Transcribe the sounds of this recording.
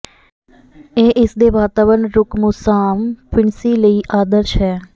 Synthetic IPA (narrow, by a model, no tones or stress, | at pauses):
eːʔɪsd̪eʋaːt̪aːʋəɳɾʊkmusaːmpɪɳsiləiʔaːd̪əɾt͡ʃʰɛː